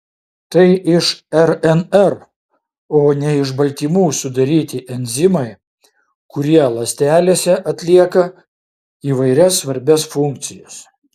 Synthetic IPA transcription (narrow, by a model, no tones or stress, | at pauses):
t̪ɐɪʔɪʃɛɾɛnɛɾ | oːnʲɛɪʒbɐlʲt̪ʲiːmuːsʊd̪ɐɾʲiːt̪ʲɪʔɛnʲzʲɪmɐɪ | kʊɾʲiɛlˠɐsʲt̪ʲæːlʲeːsʲɛʔɐt̪ʲlʲiɛkɐ | iːʋɐɪɾʲɛsʋɐɾʲbʲɛsfʊŋk̚t̪sʲɪjɛs